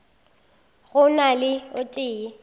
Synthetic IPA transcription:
ɣʊnalɪʊtʼɪːɪ

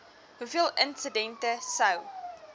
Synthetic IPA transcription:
hufiːlˠɪ̃nsədɛ̃ntəsəw

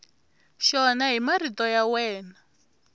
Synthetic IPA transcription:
ʃɔnaɦimaritʼɔjawɛːna

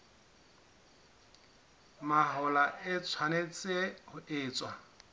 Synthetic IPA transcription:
maɦʊlaɪt͡sʰwanet͡sʼehʊʔɪːt͡sʼwa

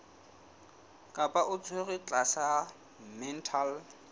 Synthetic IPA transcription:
kʼapʼaʔʊt͡sʰweɣɪt͡ɬʼasa | mɛn̩tʰal

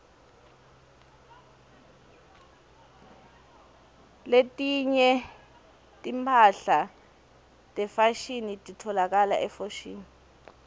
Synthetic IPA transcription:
letʼiɲɛ | tʼimpʰaɬa | tʼɛfaʃinitʼitʰɔlak̬ala̰ʔɛfoʃḭːni

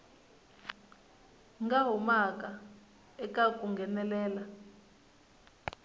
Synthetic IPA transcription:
ŋɡaɦumak̬ʼa | ɛkak̬ʼuŋɡʱɛnɛlɛːla

